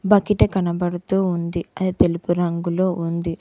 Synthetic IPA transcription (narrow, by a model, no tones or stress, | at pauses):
bɐkiʈɐkɐnɐbɐɽut̪uːund̪iɐd̪it̪e̞lupuɾɐŋɡulo̞ːʔund̪i